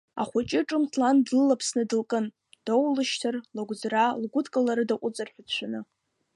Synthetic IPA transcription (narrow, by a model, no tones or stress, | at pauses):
a̰χʷat͡ʃʼɪʈ͡ʂʼɨmtʰlandlɨlapʰsnɨdɨlkʼɨn | d̥owlɨʃtʰɨrloɡʷd͡zralɡʷʊdkʼalaɾɨdaqʷʼʊt͡sʼarħᶣadt͡ɕʷʰanɨ